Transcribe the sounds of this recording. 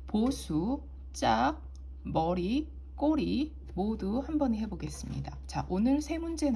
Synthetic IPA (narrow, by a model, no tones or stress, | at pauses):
posʰu | t͡ɕ͈ak̚ | mʌɾi | k͈oɾi | moduhambʌɲihe̞boɡes͈ɯmɲḭdat͡ɕaʔonɯɭsʰe̞mund͡ʑe̞n